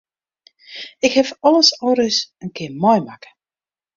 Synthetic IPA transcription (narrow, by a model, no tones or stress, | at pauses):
ɪkhɛfɔləsɔɾəsənkɪmɔjmakə̥